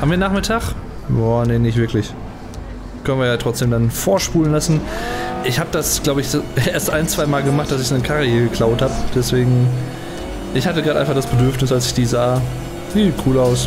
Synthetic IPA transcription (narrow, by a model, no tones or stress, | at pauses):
haːbmviːɐnaːχmɪtʰaːχ | jaːnenɪçtv̥ɪɐklɪç | kʰœnənviɐjaːtʁ̥ɔt͡sd̥eːmdanfoːɐʃpuːlənlasn̩ʔɪçhaːbədasɡ̥laʊbəɪçeːɐstʔaɪnt͡sv̥aɪmaːlɡəmaχt̚d̥asɪçsnəkʰaʁəiːɡəkʰl̥aʊthaːbəd̥ɛsv̥eːɡŋ̩ | ʔɪçhatəɡʁaːdəʔaɪfaχd̥asb̥ədʏɐfnɪsalsɪçd̥iːzaː | niːkʰuːlaʊs